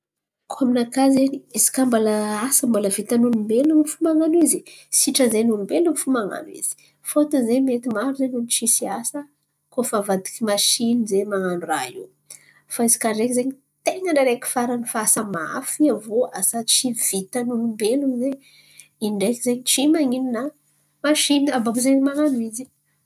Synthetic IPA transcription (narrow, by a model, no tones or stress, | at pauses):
kʰoaminakazeniizi̥kambalaasambaləvit̪anunumbelunfumaŋanizisiʈ͡ʂəzenunumbelunifumaŋa̰nwḭz̥i̥ | fot̪uzemet̪imaɾuzenunt͡ʃisiasə | kofavad̪ikimaʃinizemaŋanuɾaiw | faizi̥kaɳɖ͡ʐekzeɲi | t̪eŋənaɾeki̥faɾanifasamaa̰fiavoasat͡ʃiv̥it̪anunumbelunze | iɳɖ͡ʐekizeɲit͡ʃimaŋinina | maʃinabavuzemaŋanuizi̥